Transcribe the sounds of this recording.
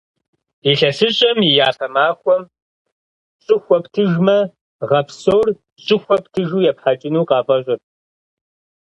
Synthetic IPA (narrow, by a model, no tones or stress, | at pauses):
iɬɐsɨɕʼɐmijaːfɐmaːxʷɔm | ɕʼɪxʷɔptʰɨʒmɐ | ʁɐpsowr | ɕʼɪxʷɔp̚tʰɨʒuːjɛpħat͡ʃʼɪnuːqɑːvʼɐɕʷʼɪr